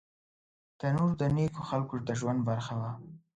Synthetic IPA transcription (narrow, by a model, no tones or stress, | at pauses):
t̪anuɾd̪ənekoxalkoɾt̪aʒwand̪̚baɾxawa